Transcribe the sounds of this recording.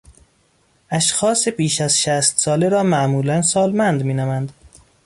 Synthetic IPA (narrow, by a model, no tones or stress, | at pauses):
ʔæʃxɒːsebiːʃæzʃæst̪sɒːleɾɒːmæʔmuːlænsɒːlmænd̪miːnæmænd̪